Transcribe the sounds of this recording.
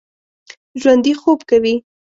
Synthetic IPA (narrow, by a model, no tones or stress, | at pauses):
ʒwand̪ixobkawi